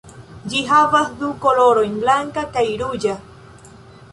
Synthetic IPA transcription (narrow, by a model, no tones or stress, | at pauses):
d͡ʒiɦaβasd̪ukoloɾojnblaŋkakajɾud͡ʒa